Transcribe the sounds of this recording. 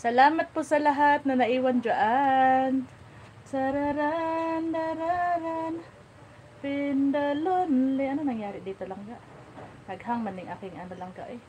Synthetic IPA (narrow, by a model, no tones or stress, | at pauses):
sɐlaːmɐt̪̚pʊsɐlɐɦat̪̚nɐnɐʔiːwɐnd͡ʒaʔan | sɐɾaɾand̪aɾaɾan | pɪnd̪ɐlonlɛʔɐnonɐŋjaːɾɪd̪iːt̪olɐŋɡaʔ | nɐɡhaŋmɐnɪŋʔa̰ːkɪŋʔɐnolɐŋɡa̰ʔɛ